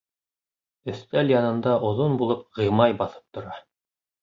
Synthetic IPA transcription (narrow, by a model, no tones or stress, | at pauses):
ɵ̆θt̪æljɑnɤ̆nd̪ɑʔŏðonbulˠɤp̚ʁɤ̆jmɑjbɑθɤ̥p̚t̪ŏɾɑ